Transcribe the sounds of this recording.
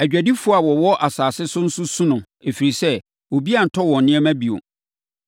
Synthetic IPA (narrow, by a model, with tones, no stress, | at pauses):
æ˨d͡ʑᶣæ˨di˦fʊ˦a˨wɔ˨wɔ˦ʔa˨saː˨sɪ˦sʊ˦n̩˦sʊ˦sũ˦nʊ̃˨ | e˨fi˨ɾi˨sɛ˦ | wo˨bi˦a˨n̩˨tʰɔ˦wɔ̃˨nnɪ̃˦ɛ˦mæ̃˦bi˨o̰˨